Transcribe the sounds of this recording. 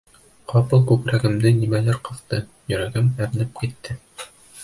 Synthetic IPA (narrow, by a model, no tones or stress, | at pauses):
qʰɒpɤlˠkʉkɾæɡɘ̆md̪ɘnimælæɾqɤ̆ðt̪ɤ | jɵ̆ɾæɡɘmæɾnɘp̚kit̪ːɘ